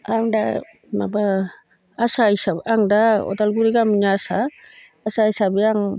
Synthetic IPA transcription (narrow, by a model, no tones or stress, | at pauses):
aŋda̰ | maba | asajsaaŋdaɔ̰t̪alɡuɾikamiɲaasaː | sajsabiaŋ